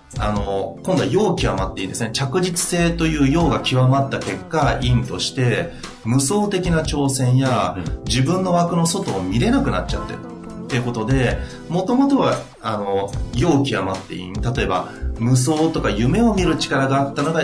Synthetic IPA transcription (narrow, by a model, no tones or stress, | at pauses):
ano̞kond̪o̞ajo̞ːkʲiβamat̪ːe̞ĩnd̪esɨnet͡ɕakɯ̟ʑit͡sɨ̥se̞ːt̪o̞jɯ̟ːjo̞ːɡakʲiβamat̪ːake̞kːaĩnt̪o̞ɕi̥t̪e̞ | mɯ̟so̞ːt̪e̞kʲinat͡ɕo̞ːsẽ̞ɰ̃jad͡ʑibɯ̟̃nːo̞βakɯ̟no̞so̞t̪o̞ːmʲiɾe̞nakɯ̟nat͡ɕat̪ːe̞̰ɾɯ | t̪ːe̞jɯ̟ko̞t̪o̞d̪e̞ | mo̞t̪o̞mo̞t̪o̞βa | ano̞jo̞ːkʲiβamat̪ːe̞̰ḭ̃nt̪at̪o̞e̞ba̰mɯ̟s̬o̞ːt̪o̞kajɯ̟me̞o̞mʲiɾɯ̟t͡ɕi̥kaɾaɡaːt̪ːano̞ɡa